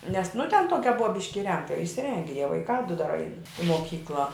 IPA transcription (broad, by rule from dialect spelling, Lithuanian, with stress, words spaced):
nʲɛs nʊ tʲɛn ˈtuɔkʲɛ ˈbʊɐ ˈbʲɪʃʲkʲɪ ɪˈrʲɛŋktɐ ɪʃʲsʲɪˈrʲɛŋʲɡʲɛ jiɛ ʋɐɪˈkɑː dʊ dɐr ɐɪn ɪ moːˈkʲiːklˠɐ